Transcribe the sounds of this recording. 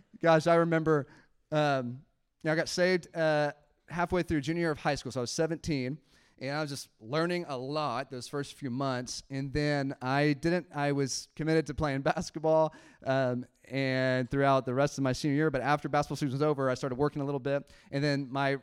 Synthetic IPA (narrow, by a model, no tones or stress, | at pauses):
ɡ̥ɑʃaɪɹɨmɛ̃mbə˞ | ʌ̃m | noʊaɪɡɑtseɪvd̥ʌ | hæfweɪθɹʉd͡ʒʉ̃njɪɹʌv̥haɪskulˠsoʊaɪʌz̥sɛvɨ̃ntʰĩn | ʔɨ̃naɪwʌzd͡ʒʌstlɜ̃˞nɪ̃ŋəlɔt̪̚ðoʊz̥fɜ˞stfjʉmʌ̃nθsɨ̃nðɨ̃naɪdɪdⁿn̩taɪwʌz̥kʰɨmɪɾɨd̚tʰɨpʰl̥eɪɨ̃nbæskɨt̚b̥ɔlˠʔʌ | ɨ̃nθɹʉaʊt̪̚ðɨɹɛstʌvmaɪsĩnjɪɹbʌɾæftə˞bæskətblˠsʉwʌzoʊvə˞aɪstɑɹɾəd̚wɜ˞kɪ̃ŋəlɪɾl̩ˠbɪt̚ʔɨ̃nðɨ̃nmaɪ